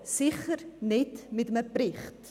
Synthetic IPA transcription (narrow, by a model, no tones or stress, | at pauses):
siχərnɛtmɛtməpriχt